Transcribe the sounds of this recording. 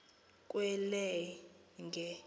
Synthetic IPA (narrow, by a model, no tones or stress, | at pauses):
kʼwɛlɛ | ŋɡʱɛ